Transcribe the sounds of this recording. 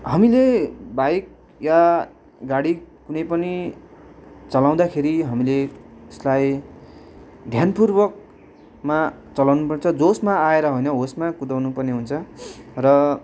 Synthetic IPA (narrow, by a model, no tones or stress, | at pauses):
ɦʌmilebajk̚ | ja | ɡaɽikunʌjpʌni | t͡sʌlaw̃d̪akʰeɾiɦʌmileeslaj | d̪ʱjanpurbʌk̚ | ma | t͡sʌlawnupʌrnet͡sʰʌd͡zosmaaeɾʌɦojnʌɦosmakud̪awnupʌrneɦunt͡sʰʌrʌ